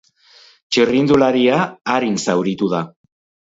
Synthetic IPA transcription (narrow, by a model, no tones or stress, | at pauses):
t͡ʃirind̪ulaɾiaːɾinsawɾit̪uða